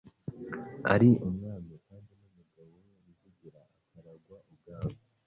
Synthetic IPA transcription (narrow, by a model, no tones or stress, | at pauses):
a̰ɾiʔumŋaːnokaːndinumuɡawowomizuɟiɾaːkaɾaɡwaʔubɡaːma